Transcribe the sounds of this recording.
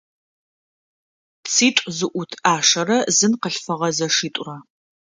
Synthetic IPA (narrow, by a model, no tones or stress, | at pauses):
t͡siːtʷʼzɨʔʷʊtʰaːʂɐrɐzɨnqəɬfɐʁɐzɐʂiːtʷʼʊrɐ